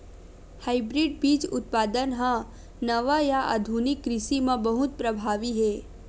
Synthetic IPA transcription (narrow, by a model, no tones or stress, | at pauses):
haːɪbɾɪɖ̚biːt͡ʃʊ̰t̪̚paːd̪ənɦã | nɐʋajaʔa̰d̪ʱunɪkːɾɪsimãbɐɦʊt̪̚pɾɐbʱaːʋiɦɛː